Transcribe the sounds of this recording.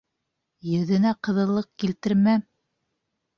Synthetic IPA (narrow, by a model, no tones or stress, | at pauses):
jɵ̆ðɘ̆næqɤ̆ðɤ̆lˠːɤq̚kilt̪ɘ̆ɾmæ